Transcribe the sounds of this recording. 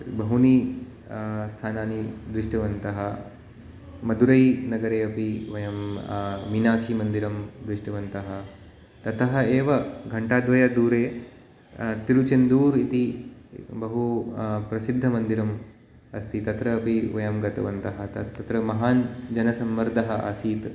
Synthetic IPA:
bɐɦuni | st̪ʰaːnaːnid̪ɾiʂʈɐʋɐnt̪ɐɦɐ | mɐd̪ʱuɾɐjnɐɡɐɾeːɐpiʋɐjɐmminaːkʂimɐnd̪iɾɐmd̪ɾiʂʈɐʋɐnt̪ɐɦɐ̆ | t̪ɐt̪ʰɐɦɐ̆eːʋɐɡʱɐɳʈaːd̪ʋɐjɐd̪uːɾeː | t̪iɾut͡ʃɐnd̪uːɾit̪i | bɐɦupɾɐsid̪ʱːɐmɐnd̪iɾɐm | ɐst̪ʰit̪ɐt̪ɾɐɐpiʋɐjɐmɡɐt̪ɐʋɐnt̪ɐɦɐt̪ɐt̪ɐt̪ɾɐmɐɦaːnd͡ʒɐnɐsɐmʋɐɾd̪ʱɐɦɐʔa̰ːsiːt̪

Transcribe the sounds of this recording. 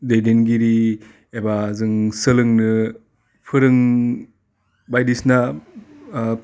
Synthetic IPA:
dejdenɡiɾi | ebazɯŋsɯlɯŋnɯ | pʰɯɾɯŋ | bajdisna

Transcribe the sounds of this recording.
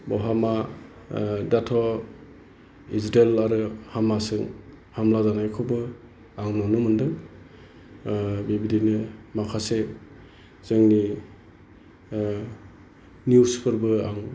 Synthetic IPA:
bɔɦama | datʰɔ | izɾelaɾɯhamasɯŋ | hamlazanajkʰɔbɯ | aŋnɔnumɯndɯŋ | bibidinɯmakʰase | z̥ɯŋni | njuspʰɯɾbɯaŋ

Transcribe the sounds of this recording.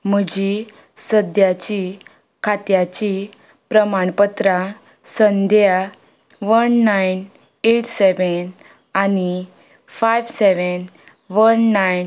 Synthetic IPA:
m̤əd͡ʑi | səd̪jat͡ɕi | kʰat̪jat͡ɕi | pɾəmaɳpət̪ɾa | sənd̪ja | ʋənːajn | eʈʰseʋən | ani | fajʋseʋən | ʋənːajn

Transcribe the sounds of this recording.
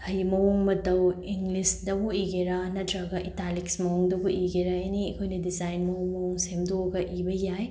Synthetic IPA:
hɐjmɐwuŋmɐdɐwiŋɡlisdɐbuiɡeɾɐnɐdɾaɡɐʔitaliksmɐwuŋdɐbuʔiɡeɾajeniɐkʰojnɐdizajnmɐwuŋmɐwuŋsemdoɡɐʔibɐjaj

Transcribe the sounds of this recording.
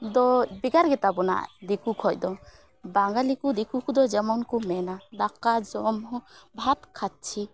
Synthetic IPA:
d̪ɔbiɡaɾɡɛt̪abɔna̰ʔd̪ikukʰɔjd̪ɔ | baŋɡalikud̪ikukud̪ɔd͡ʒɛmɔnkumɛnad̪akad͡ʒɔmhɔbʱat̪kʰat̪̚t͡ʃʰi

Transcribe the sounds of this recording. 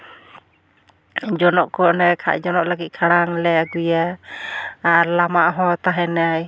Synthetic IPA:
d͡ʒɔnɔʔkɔnɛkʰa̰ʔd͡ʒɔnɔʔlaɡit̪̚kʰaɽaŋlɛaɡujaː | ɾlamaʔɦɔt̪aɦɛnaj

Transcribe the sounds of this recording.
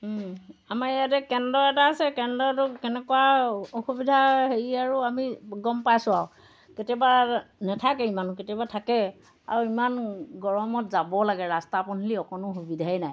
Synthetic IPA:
amajat̬ɛkɛndɔɛtaːsɛkɛndɔɛtʊkɛnɛkɔwaoxubidʱaɦeɹiaɹuamiɡɔmpajsʊaw | ketiɔbanɛtʰakɛimanʊketiɔbatʰakɛ | a̰ɹuimanɡɔɹɔmɔtzabɔlaɡɛɹastapɔniliɔkɔnʊxubidʱaɛnaj

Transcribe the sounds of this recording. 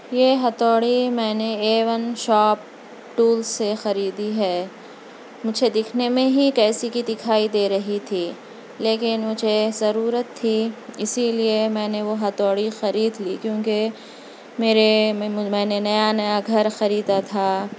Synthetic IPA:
jeːɦɐt̪ɔːɽimɛ̃ːneeːʋəmʃɔːp̚ | ʈuːlzsexɐɾiːd̪iɦɛː | mʊd͡ʒʱed̪ɪkʰnemẽɦikɛːsikid̪ɪkʰaːid̪eːɾɐɦit̪ʰiː | leːkɪnmʊd͡ʒʱezɐɾuːɾət̪ʰːiɪsiliemɛ̃ːneʋoɦɐt̪ɔːɽixɐɾiːd̪likjõːke | meːɾemɛ̃ːnenɐjanɐjaɡʱɐɾxɐɾiːd̪at̪ʰaː

